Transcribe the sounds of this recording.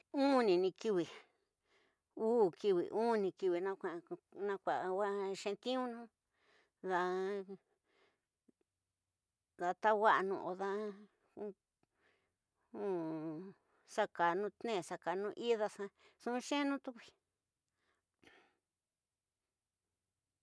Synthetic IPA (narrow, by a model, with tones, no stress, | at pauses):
ũ˦nĩ˨˧nĩ˧ki˧βi˨ | uː˦˨ki˧βḭ˨ʔũ˦˧nĩ˧ki˧βi˨nã˧kʷa˧nã˧kʷa˨˧wa˦ʃẽ˧t̪ĩ˦ũ˦nũ˦ | ða˧ | ða˧t̪a˦wa˦ʔnṵ̃˧˨ʔo˧ða˦˧ | u˦ | sa˧ka˨nũ˦t̪nẽ˦˨sa˧ka˨nũ˧ʔi˦ða˧sã˧sũ˦˧ʃẽ˦nũ˦t̪u˦kʷi̥˧